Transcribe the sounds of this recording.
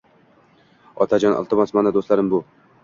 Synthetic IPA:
ɒt̪ʰad͡ʒɒnʔɒ̰lˠt̪ʰɨmasmanad̪ost̪laɾɪmbʊ

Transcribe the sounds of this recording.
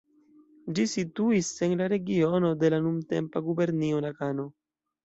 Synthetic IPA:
d͡ʒisituise̞nlaɾe̞ɡio̞no̞de̞lanumte̞̰mpaɡube̞ɾnionakano̞

